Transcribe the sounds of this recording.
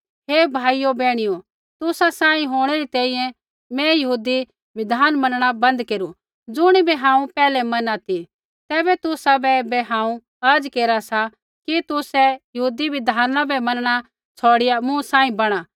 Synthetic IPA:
ɦeːbʱaːijobɛːɽ̃ɪjo | t̪ʊsasãːĩɦoːɽ̃ɛɾit̪ɛ̃ːĩjɛ̃ | mɛ̃jɐɦuːd̪i | ʋɪd̪ʱaːnmɐnɽ̃abɐ̃nd̪keːɾu | d͡zʊɽ̃ibiɦãːũpɛːlɛmɐnat̪ʰi | t̪ɛːbɛt̪ʊsabɛbɛɦãːũ | ɐɾd͡ʒkeːɾasa | kit̪ʊsɛjɐɦuːd̪iʋɪd̪ʱaːnabɛmɐnɽ̃a | t͡sʰoːɽɪjamũsãːĩbɐɽ̃a

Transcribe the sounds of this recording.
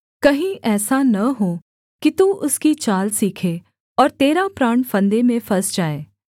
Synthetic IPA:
kɐɦĩʔɛːsanɐɦo | kit̪uʔʊskit͡ʃaːlsiːkʰe | ɔːɾt̪eːɾapɾaːɳfɐ̃nd̪emẽfɐsd͡ʒaːeː

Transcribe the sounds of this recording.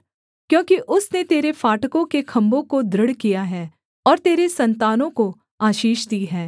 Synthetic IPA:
kjõːkiʔʊsnet̪eːɾefaːʈəkõkekʰɐ̃mbõkod̪ɾəɽkijaɦɛː | ɔːɾt̪eːɾesɐ̃nt̪aːnõko | aːʃiːʃd̪iːɦɛː

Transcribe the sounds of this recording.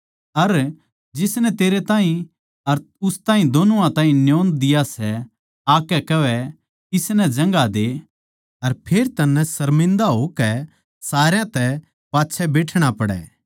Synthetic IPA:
ɐɾ | d͡ʒɪsnɛt̪eːɾet̪ãːɦĩ | ɐɾ | ʊst̪aːɦĩd̪oːnuãt̪ãːɦĩnjoːnd̪ɪjasɛ | aːkɛkɐʋɛ | ɪsnɛd͡ʒɐ̃ŋɡad̪e | ɐɾpʰeːɾt̪ɐnːɛsɐɾmɪ̃nd̪aɦokɛ | saːɾjãt̪ɛ | paːtːʃʰɛbeːʈʰɽ̃apɐɽɛ̰ː

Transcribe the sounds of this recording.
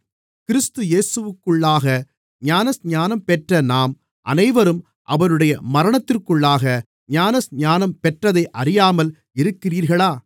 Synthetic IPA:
kɪɾɪst̪ɯjeːsɯʋɯkːɯɭːaːɣɐ | ɲaːnɐsɲaːnɐmpɛʈrɐnaːm | ʔɐ̰nɐɪʋɐɾɯm | ʔɐʋɐɾɯɽɐjɐmɐɾɐɳɐt̪ːɪrkɯɭːaːɣɐ | ɲaːnɐsɲaːnɐmpɛʈrɐðɐɪʔɐɾɪjaːmɐl | ɪɾɯkːɪriːɾɣɐɭaː

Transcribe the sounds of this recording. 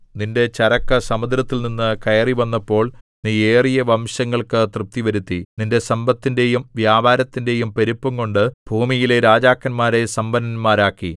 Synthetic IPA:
ninde̞t͡ɕɐɾɐkːɐsɐmɐd̪ɾɐt̪ːilninːɨkɐjɐriʋɐnːɐpːo̞ːɭ | niːe̞ːrijɐʋɐmɕɐŋːɐɭkɨt̪rɨp̚t̪ːiʋɐɾut̪ːininde̞sɐmbɐt̪ːinde̞jumʋjaːbʱaːɾɐt̪ːinde̞jumpe̞ɾupːuŋkoɳɖɨbʱuːmijile̞ɾaːd͡ʑaːkːɐnmaːɾe̞sɐmbɐnɐnmaːɾaːkːi

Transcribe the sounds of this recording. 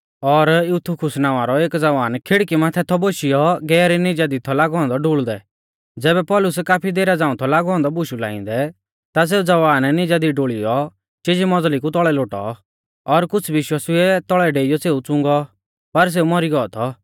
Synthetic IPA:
ɔɾjut̪ʰukʰʊsnaːʋaɾɔeːkd͡zɐʋaːnkʰɪɽkimãt̪ʰɛt̪ʰɔboːʃijɔɡɛːɾinɪd͡ʒad̪it̪ʰɔlaːɡɔ̃ːnd̪ɔɖuɭd̪ɛ̰ | d͡zɛːbɛpɔːlʊsɛkaːpʰid̪eːɾad͡zãːũt̪ʰɔlaːɡɔ̃ːnd̪ɔbuʃula̰ːɪ̰̃nd̪ɛ | t̪as̬eːud͡zɐʋaːnnid͡ʒad̪iɖoːɭijɔ | t͡ʃed͡ʒimɔd͡zlik̬ut̪̬ɔɭɛloːʈɔ̰ | ɔɾkʊt͡sʰʋɪʃwaːsiɛt̪ɔɭɛɖeːijɔseːut͡sʊ̃ŋɡɔ | pɐɾs̬eːumɔɾiɡɔɔt̪ʰɔ

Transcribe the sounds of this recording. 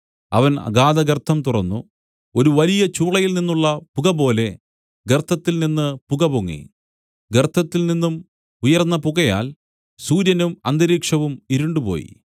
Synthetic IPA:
ɐ̰ʋɐnɐ̰ɡaːðɐɡɐrt̪ʰːɐmt̪urɐnːu | o̞ɾuʋɐlijɐt͡ɕuːɭɐjilninːuɭːɐpuɣɐbo̞ːle̞ | ɡert̪ʰːɐt̪ːilninːɨpuɣɐpoŋːḭ | ɡert̪ʰːɐt̪ːilninːum | ujɐrnːɐpuɣɐja̰ːl | suːɾjɐnumɐnd̪ɐɾiːkʂɐʋumiɾuɳɖupo̞̰ːjḭ

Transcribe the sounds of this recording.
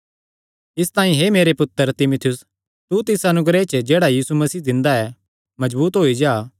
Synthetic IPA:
ɪst̪ãːĩɦemeːɾepʊt̪ːəɾt̪ɪmʊt̪ʰɪjʊs | t̪ut̪ɪsɐnʊɡɾet͡ʃd͡ʒeːɽajiːsumɐsiːd̪ɪ̃nd̪aɛ | mɐzbuːt̪ɦoːid͡ʒaː

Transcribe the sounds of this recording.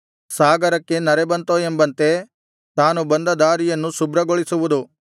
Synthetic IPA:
saːɡɐɾɐkːe̞nɐɾebɐnt̪oembɐnt̪e̞ | t̪aːnubɐnd̪ɐd̪aːɾijɐnːusubɾɐɡoɭisuʋud̪u

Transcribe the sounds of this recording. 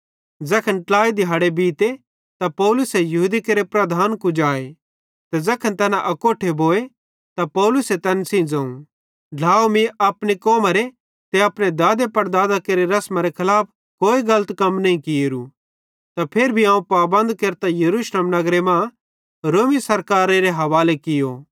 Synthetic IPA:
d͡zɐkʰənʈlaːid̪ʱɪɦaːɽebiːt̪e | t̪apɔːlʊsɛjɐɦud̪ikeːɾepɾɐd̪ʱaːnkũd͡ʒaːe | t̪ɛd͡zɐkʰənt̪ɛːnãʔɐkoːʈʰeboːe | t̪apɔːlʊset̪ɛːnsĩd͡zãːũ | ɖʱaːomĩɐpnikoːmaɾe | t̪eɐpɽed̪aːd̪epɐɾd̪aːd̪akeːɾeɾɐsmaɾekʰɐlaːp̚ʰ | koːiɡɐlət̪kɐmnɐ̃ɦĩkiɾu | t̪apʰeːɾbʱiãːũpaːbɐ̃nd̪keːɾt̪ajɐɾuʃleːmnɐɡɾemã | ɾoːmisɐɾkaːɾeɾeɦɐʋaːlekɪjo

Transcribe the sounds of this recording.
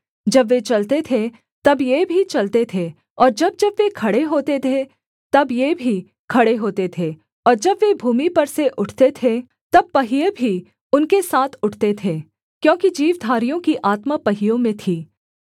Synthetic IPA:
d͡ʒɐbʋet͡ʃɐlt̪et̪ʰe | t̪ɐbjebʱit͡ʃɐlt̪et̪ʰe | ɔːɾd͡ʒɐb̚d͡ʒɐbʋekʰɐɽeɦoːt̪et̪ʰe | t̪ɐbjebʱi | kʰɐɽeɦoːt̪et̪ʰeː | ɔːɾd͡ʒɐbʋebʱuːmipɐɾseʔʊʈʰt̪et̪ʰe | t̪ɐb̚pɐɦɪjebʱi | ʊnkesaːt̪ʰʊʈʰt̪et̪ʰeː | kjõːkid͡ʒiːʋd̪ʱaːɾijõkiʔaːt̪mapɐɦɪjõmẽt̪ʰiː

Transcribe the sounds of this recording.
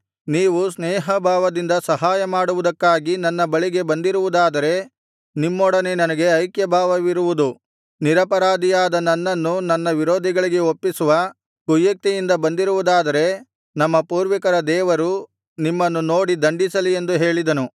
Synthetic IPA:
niːʋusnɛːɦɐbʱaːʋɐd̪ind̪ɐsɐɦaːjɐmaːɽuʋud̪ɐkːaːɡinɐnːɐbɐɭiɡe̞bɐnd̪iɾuʋud̪aːd̪ɐɾe̞ | nimːɔɽɐne̞nɐnɐɡe̞ɐjkjɐbʱaːʋɐʋiɾuʋud̪u | niɾɐpɐɾaːd̪ijaːd̪ɐnɐnːɐnːunɐnːɐʋiɾoːd̪ʱiɡɐɭiɡe̞opːisuʋɐ | kujːɐk̚t̪ijind̪ɐbɐnd̪iɾuʋud̪aːd̪ɐɾe̞ | nɐmːɐpuːɾʋikɐɾɐd̪ɛːʋɐɾu | nimːɐnːuno̞ːɽid̪ɐɳɖisɐlie̞nd̪uɦe̞ːɭid̪ɐnu

